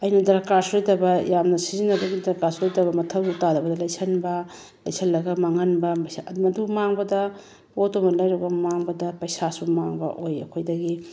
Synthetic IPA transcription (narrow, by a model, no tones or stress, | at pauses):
ɐjnɐdɐɾkaɾsuɾojtɐbɐjamnɐsizinɐbɐɡidɐɾkaɾsuɾojtɐβɐmɐtʰɐwsutadɐbɐdɐlɐjsʰɐnbɐ | lɐjsʰɐlːɐɡɐmaŋɐnbɐmɐsadmɐdumaŋbɐdɐ | botomɐlɐjɾɐɡɐmaŋbɐdɐpɐjsasumaŋbɐ̰ʔojɐ̰kʰojdɐɡi